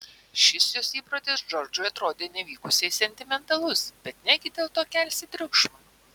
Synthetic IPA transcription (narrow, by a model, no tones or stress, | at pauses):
ʃʲɪsjoːsiːpɾot̪ʲɪsd͡ʒɔɾd͡ʒʊɪɐt̪ɾoːd̪ʲeːnʲɛʋʲiːkʊsʲɛɪsʲɛnʲt̪ʲɪmʲɛnt̪ɐlˠʊsbʲɛt̪nʲɛɡʲɪd̪ʲeːlˠt̪oːkʲælʲsʲɪt̪ʲɾʲʊkʃmɐ